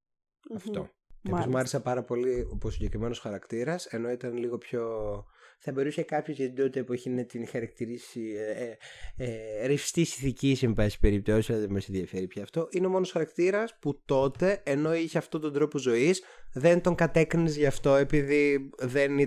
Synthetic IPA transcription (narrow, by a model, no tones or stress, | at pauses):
ɐft̪o̞̰ | k̪ɐozmuɐɾesɐpɐɾɐpo̞lioposiɲɟe̞kɾime̞nosxɐɾɐkt̪iɾɐse̞no̞it̪ɐnliɣo̞pço̞ | θɐbe̞ɾusekɐpçozʝet̪id̪iot̪epoçinet̪inxɐɾɐk̚t̪iɾisi | eɾifst̪isiθicisimpɐsi̥pe̞ɾip̚t̪o̞sisɐðemesiðjɐfeɾipçeɐft̪o̞ʔinemo̞no̞sxɐɾɐkt̪iɾɐsput̪o̞t̪e̞ːno̞içeɐft̪ot̪o̞nd̪ɾo̞po̞zo̞isðe̞nt̪o̞ŋkɐt̪ekɾinizʝɐft̪o̞e̞piðiðen